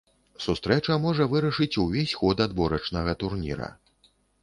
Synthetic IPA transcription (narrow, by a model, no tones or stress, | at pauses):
sust̪ɾɛt͡ʂɐmɔʐɐvɨɾɐʂɨt͡sʲuvʲesʲxɔd̪ad̪bɔɾɐt͡ʂnɐɣɐt̪urnʲḭɾɐ̰